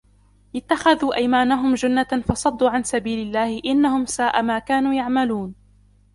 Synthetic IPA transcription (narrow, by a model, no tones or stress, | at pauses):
ʔɪt̪ːaxaðuːʔajmaːnaɦʊmd͡ʒanːafɑsˤɑd̪ˤːuːʕansabiːlɪlːaːhɪʔɪnːahʊmsaːʔamaːkaːnuːjaʕmaluːn